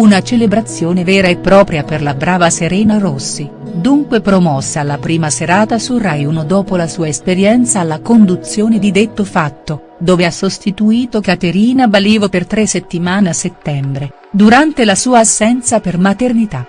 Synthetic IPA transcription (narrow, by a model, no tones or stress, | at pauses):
unat͡ʃelebɾat̪sːjoːnevɛːɾaepːɾɔːpɾjaperlabɾaːvaseɾɛːnaɾosːi | d̪uŋkwepɾomɔsːaalːapɾiːmaseɾaːt̪asurajunod̪ɔːpolasuːaespeɾjɛnt̪saːlːakond̪ut̪sjoːned̪id̪et̪ːofat̪ːo | d̪oːveasost̪it̪uiːt̪okat̪eɾiːnabaliːvopert̪ɾesːet̪ːimaːneasːet̪ːɛmbɾe | d̪uɾant̪elasuːaːsːɛnt̪sapermat̪ernit̪a